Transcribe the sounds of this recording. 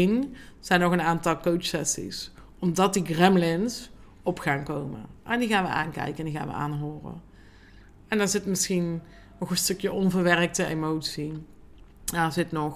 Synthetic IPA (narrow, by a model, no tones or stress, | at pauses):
inz̥ɛjnːɔɣənaːntɑlˠkowt͡ʃsɛsḭs | ɔmdɑt̚diɡrɛmlɪns | ɔpxaːnkowmə̰ʔɛndiɣaːnʋə̰ʔa̰ːnkɛ̰jkəndiɣa̰ːnʋə̰ʔa̰ːnɦoːrə̰ | ɛndɑzɪtmɪsxin | nɔxənstɵkjəʔɔnvərʋɛrək̚təḛmowtsi | aɹzɪtnɔ